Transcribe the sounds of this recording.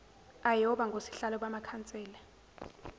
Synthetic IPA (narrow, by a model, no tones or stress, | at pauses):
ajɔɓaŋɡʱosi̥ɬalɔɓamakʰant͡sʼɛːla